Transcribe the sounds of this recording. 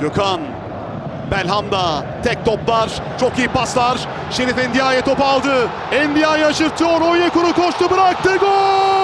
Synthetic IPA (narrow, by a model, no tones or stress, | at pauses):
jøkʰan | bælʲɦamd̪a | t̪ʰɛk̚t̪ʰɔplˠaɾ | t͡ʃʰokijipaslˠaɾ | ʃeɾifɛnd̪ijaːjɛt̪ʰopalˠd̪ɯ | ɛnd̪ijaːjaːʃɯɾt̪ʰɯjoɾojakuɾukʰoʃt̪ʰubiɾak̚t̪ɯɡo